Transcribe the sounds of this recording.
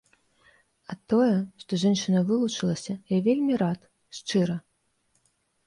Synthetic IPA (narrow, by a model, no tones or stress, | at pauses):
ɐt̪ːɔjɛʂt̪ɔʐɛnʂɨnɐvɨlˠut͡ʂɨlˠɐsʲɐjavʲelʲmʲiɾat̪ | ʂt͡ʂɨɾɐ